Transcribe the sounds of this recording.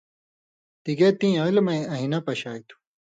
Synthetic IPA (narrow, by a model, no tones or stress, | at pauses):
t̪iɡeːt̪ĩːɐ̃ilmɐ̃ɐɦinɐpɐɕaːjt̪u̥